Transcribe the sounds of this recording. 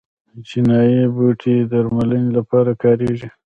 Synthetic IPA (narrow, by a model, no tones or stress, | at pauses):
t͡ʃinɑjibuʈʰid̪aɾmalənelapɑɾakɑɾeʒi